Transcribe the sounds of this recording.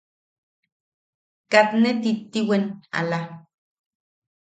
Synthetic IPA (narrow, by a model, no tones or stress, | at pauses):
kat̪net̪it̪ːiwena̰la